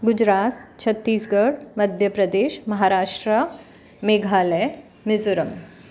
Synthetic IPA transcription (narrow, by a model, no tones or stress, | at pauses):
ɡud͡ʑɾaːt̪̚t͡ɕʰɐt̪ːiːsɡəɽmɐd̪ʱjɐpɾɐd̪eːɕmɐɦaɾaːʂʈɾə | meɡʱaːle | mid͡zuɾɐm